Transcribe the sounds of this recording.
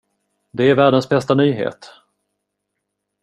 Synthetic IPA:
d̪ɛæɾvæːɖənsbɛst̪anyːɦḛːt̪

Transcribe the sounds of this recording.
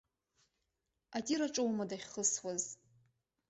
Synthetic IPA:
atʼiɾaʈ͡ʂʼowmadaχʲχəswaz

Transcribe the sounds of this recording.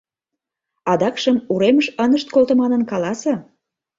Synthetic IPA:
ɑd̪ɑkʃəmuɾeməʃənəʃt̪̚kolt̪ə̆mɑnənkɑlɑsɤ

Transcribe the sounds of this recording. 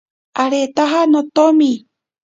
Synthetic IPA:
aɾet̪aɦanõt̪omĩ

